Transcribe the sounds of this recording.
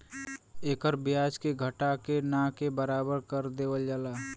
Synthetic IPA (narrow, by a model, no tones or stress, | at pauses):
eːkəɾbɪjaːd͡ʒkeɡʱəʈakenãːkebəɾaːbəɾkəɾd̪eːʋəld͡ʒaːlaː